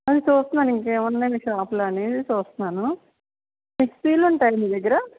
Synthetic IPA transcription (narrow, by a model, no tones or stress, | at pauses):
ɐd̪it͡ʃuːst̪und̪aniŋkeːmɐnːeːmiʂaːpulaːneːd̪it͡ʃuːst̪unaːnu | nekspiːluɳʈaːjɐniːd̪ɐɡːɐɾɐ